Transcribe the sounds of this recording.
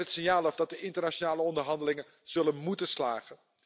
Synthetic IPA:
ətsɪnjaːlˠɔfdɑt̚dəɪntərnat͡ʃonaːləɔndərɦɑndəlɪŋə | z̥ɵlənmutəslaːɣən

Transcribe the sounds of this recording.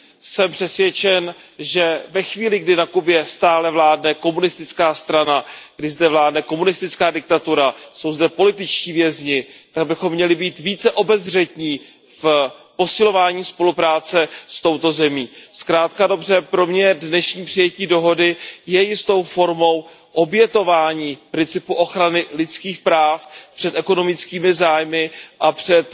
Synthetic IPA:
sɛmpr̥ɛsvjɛt͡ʃɛnʒɛvɛxviːlɪɡdɪnakubjɛst̪aːlɛvlaːdnɛko̞munɪst̪ɪt͡skaːst̪ɾanaɡ̥dɪzdɛvlaːdnɛko̞munɪst̪ɪt͡skaːdɪk̚t̪at̪uɾaso̞wzdɛpo̞lɪt̪ɪt͡ʃciːvjɛzɲɪt̪aɡ̚bɪxo̞mːɲɛlɪbiːt̪viːt͡sɛʔo̞bɛzr̝ɛt̪ɲiː | fpo̞sɪlo̞vaːɲiːspo̞lupɾaːt͡sɛst̪o̞wt̪o̞zɛmiːskɾaːt̪kado̞br̝ɛpɾo̞mɲɛdnɛʃɲiːpr̥ɪjɛciːdo̞ɦo̞dɪjɛjɪst̪o̞wfo̞ɾmo̞w | ʔo̞bjɛt̪o̞vaːɲiːpɾɪnt͡sɪpuʔo̞xɾanɪlɪt͡skiːxpɾaːfpr̥ɛt̪ɛko̞no̞mɪt͡skiːmɪzaːjmɪʔapr̝̥ɛt̪

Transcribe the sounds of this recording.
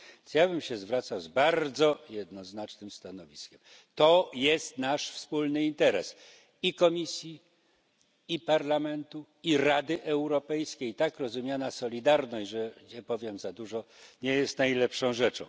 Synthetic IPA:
sjabɘmɕɛzvɾat̪sawzbaɾd̪zɔjɛd̪nɔznat͡ʂnɘmst̪anɔvʲiskʲɛm | t̪ɔjɛst̪naʂfspulnɘint̪ɛɾɛ̰s | ikɔmʲisʲji | ipaɾlamɛnt̪u | iɾad̪ɘʔɛwɾɔpɛjskʲejit̪akɾɔzumʲjanasɔlʲid̪aɾnɔɕʐɛɲɛpɔvʲjɛmzad̪uʐɔɲɛjɛst̪najlɛpʂɔ̃w̃ʐɛt͡ʂɔ̰̃w̃

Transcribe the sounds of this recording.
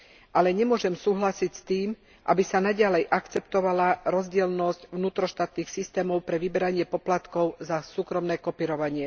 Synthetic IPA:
ʔalɛɲɛmʊɔʒɛmsuːɦlasicst̪iːm | ʔa̰bisanaɟalɛjʔakt͡sɛpt̪ɔʋalaɾɔzɟɪɛlnɔscʋnuːt̪ɾɔʃt̪aːt̪niːxsist̪ɛːmɔʊpɾɛʋibɛɾaɲɪɛpɔplat̪kɔʊzasuːkɾɔmnɛːkɔpiːɾɔʋaɲɪɛ

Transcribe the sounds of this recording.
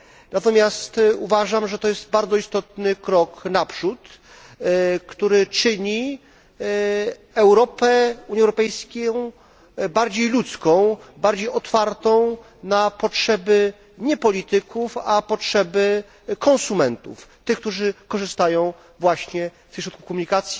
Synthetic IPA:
nat̪ɔmʲjast̪uvaʐamʐɛt̪ɔjɛsd̪baɾd̪zɔist̪ɔt̪nɘkɾɔknapʂut̪ | kt̪uɾɘt͡ʂɘɲi | ɛwɾɔpɛuɲɛwɾɔpɛjskʲew | baɾd͡ʑejlut̪skɔ̃w̃baɾd͡ʑejɔt̪faɾt̪ɔ̃w̃ | napɔtʂɛbɘ | ɲɛpɔlʲit̪ɘkʰufapɔtʂɛbɘ | kɔ̃sumɛnt̪ṵft̪ɘxk̚t̪uʐɘkɔʐɘst̪ajɔ̃w̃ | vwaɕɲɛft̪ɪʃɕɾut̪ku̥kɔmuɲikat̪sʲji

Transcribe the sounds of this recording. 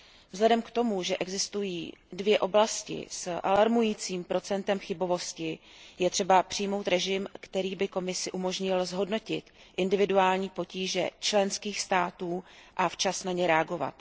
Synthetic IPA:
vzɦlɛdɛmkt̪o̞muʒɛʔɛɡzɪst̪ujiːdvjɛʔo̞blascɪ̰sʔalaɾmujiːt͡siːmpɾo̞t͡sɛnt̪ɛmxɪbo̞vo̞scɪ | jɛt̪r̝̥ɛbapr̝̥ɪjmo̞wt̪ɾɛʒɪmkt̪ɛɾiːbɪko̞mɪsɪʔumoʒɲɪlzɦo̞dno̞cɪt̪ | ʔɪndɪvɪduaːlɲiːpo̞ciːʒɛ̰t͡ʃlɛnskiːxst̪aːt̪uːʔaft͡ʃasnaɲɛɾɛaɡo̞va̰t̪

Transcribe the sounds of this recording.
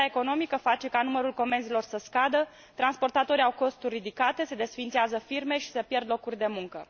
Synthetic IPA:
eko̞no̞mikəfat͡ʃe̞kanuməɾulko̞me̞nzilo̞rsəskad̪ə | t̪ɾanspo̞rt̪at̪o̞ɾiawko̞st̪urʲːid̪ikat̪e̞se̞d̪e̞sfint̪seazəfirme̞ʃi̥sepje̞rd̪lo̞kurʲd̪e̞muŋkə

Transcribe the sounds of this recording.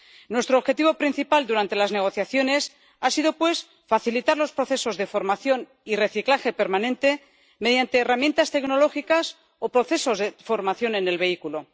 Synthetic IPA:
nwe̞st̪ɾoβxe̞t̪iβo̞pɾin̟θipald̪uɾant̪e̞lazne̞ɣ̞o̞θjaθjo̞ne̞s | asiðo̞pwe̞s | faθilit̪aɾlo̞spɾo̞θe̞so̞zðe̞fo̞ɾmaθjo̞n | ire̞θiklaxe̞pe̞ɾmanẽnt̪e̞ | me̞ð̞jant̪e̞ːramjent̪ast̪e̞kno̞lo̞xikas | opɾo̞θe̞so̞zefo̞ɾmaθjo̞ne̞ne̞lβe̞ikulo

